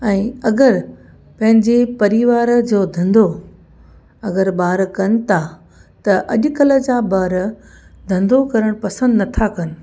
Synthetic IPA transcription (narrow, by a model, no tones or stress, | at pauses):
ɛ̃ːɐɡəɾ | pɐ̃ɦɪ̃ɲd͡ʑepɐɾiʋaːɾd͡ʑoːd̪ʱɐ̃nd̪o | ɐɡəɾbaːɾkɐnɪ̆t̪ʰa | t̪ɐʔɐʄʊkɐlə̆d͡ʑãːbɐɾ | d̪ʱɐ̃nd̪okɐɾəɽ̃pɐsə̃nd̪nɐt̪ʰakɐnɪ̆